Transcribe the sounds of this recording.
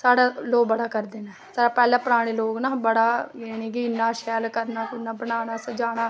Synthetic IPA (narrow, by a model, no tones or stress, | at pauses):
saːɽaːloːk̚bəɽaːkəɾd̪eːnaːsaːɽaːpɛːlãːpəɾaːɽ̃eːloːknaːbəɽaːjeniːk̬ɪɪnːãːʃɛːlkəɾnaːkʊnːaːbəɽaːɽaːsəd͡ʒaːɽ̃aː